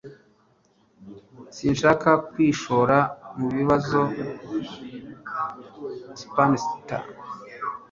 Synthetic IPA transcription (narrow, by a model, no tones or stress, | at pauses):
siːnʃaːkʰakwiːʃo̞ɾamuβiβazo | spanisita̰